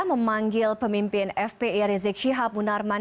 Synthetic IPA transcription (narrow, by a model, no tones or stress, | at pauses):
məmaŋɡɪlpəmimpɪnɛfpeiɾizɪk̚ʃiɦap̚munarma